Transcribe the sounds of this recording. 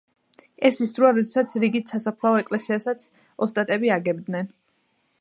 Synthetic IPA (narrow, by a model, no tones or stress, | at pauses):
ɛsisd̪ɾuaɾɔd̪ɛsat̪sʰɾiɡit̪ʰsasapʰlˠaɔɛkʼlɛsiasat̪sʰ | ɔst̪ʼat̪ʼɛbiaɡɛbd̪nɛn